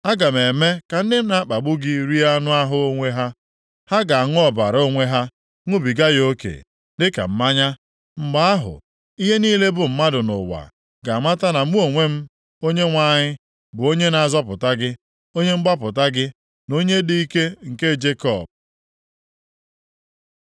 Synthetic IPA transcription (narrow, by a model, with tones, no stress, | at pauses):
a˦ɡa˨me˨me˦ka˨n̩˦dɪ˦m̩˦na˨a˦k͡pa˨ɡ͡bʊ˦ɡɪ˦ɾi˦a˦nʊ˦a˦ɦʊ˦o˦ŋʷe˦ɦa˦ | ha˦ɡa˨a˨ŋʊ˦ɔ˨ba̰˨ɾo˦ŋʷe˦ɦa˦ | ŋʊ˦bi˨ɡa˦jo˦kḛ˨ | dɪ˦ka̰˨m̩˦ma˦ɲa˦ | ŋ͡m̩˨ɡ͡ba˦a˦ɦʊ̰˨ | i˦ɦe˦niː˦le˦bʊ˨m̩˦ma˦dʊ˨nʊ̰˨wa̰˨ | ɡa˨ma˦ta˦na˨m˦u˦o˨ŋʷe˦m̩˦ | o˦ɲe˦ŋʷa˨˦˨ɲɪ˦ | bʊ˨o˦ɲe˦na˨a˨zɔ˦pʊ˨ta˦ɡɪ˦ | o˦ɲe˦m̩˦ɡ͡ba˦p̬ʊ˨ta˦ɡɪ˦ | no˦ɲe˦di˦i˦ke˦ŋ̩˨ke˦d͡ʒe˦kɔ˦˨p̚